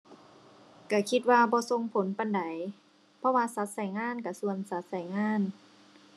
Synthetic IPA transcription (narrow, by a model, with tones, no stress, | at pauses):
ka˧˩kʰi˧t̪̚waː˧bɔː˧˦so˧ŋpʰo˨˦npa˧˨nda˨˦j | pʰɔ˧˨waː˧sa˧˦˥t̪̚sa˨˩˦jŋaː˧˥˨nka˧˩su˧ənsa˧˦t̪̚sa˨˩jŋaː˧˥˨n